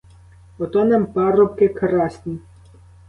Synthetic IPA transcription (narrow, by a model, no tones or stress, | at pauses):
ɔt̪ɔnɛmpɑɾɔp̚kekɾɑsʲnʲi